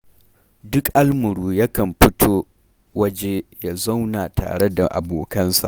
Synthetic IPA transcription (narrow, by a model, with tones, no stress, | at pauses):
dʊ˦kʔa˦lmʊ˨ɾuː˦jɐ˦kɐ˨mɸɪ˦tʰoː˦ | wɐ˦d͡ʒe˦ja˨za˦wnaː˨tʰa̰ː˨ɽe˦da˨ʔa̰˨boː˨kɐ˦nsa̰˨ʔ